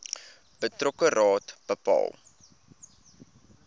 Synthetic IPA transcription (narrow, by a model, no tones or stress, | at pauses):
b̥ətrɔkərɑːtb̥əpɑ̰ːlˠ